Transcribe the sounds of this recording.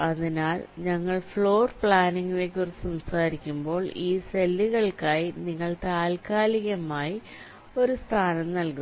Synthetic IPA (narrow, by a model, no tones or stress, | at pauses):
ɐðinaːlɲɐŋːɐɭfɭo̞ːrpɭaːniŋɡumeːk̬ʲːurit͡ɕːsɐmsaːɾikʲːumbo̞ːɭiːselːuɣɐɭkaːjiniŋːɐɭt̪aːlkaːliɣɐmaːji | o̞ɾust̪ʰaːnɐmnɐlku